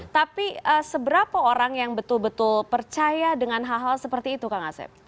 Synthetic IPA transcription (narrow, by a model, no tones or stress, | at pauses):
t̪apiəsəbəɾapaoɾaŋjaŋbət̪ʊlbət̪ʊlpərt͡ʃajadəŋanɦaɦalsəpərt̪iːt̪ukaŋa̰sɛ̰p̚